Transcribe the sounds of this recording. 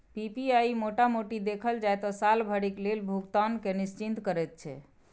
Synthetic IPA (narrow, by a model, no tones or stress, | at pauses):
pipiaimoʈamoʈid̪ekʰəld͡ʒajt̪ɔsalbʱəɽiklelbʱuɡt̪ankenist͡ʃint̪kəɾɛt̪̚t͡ʃʰɛ̰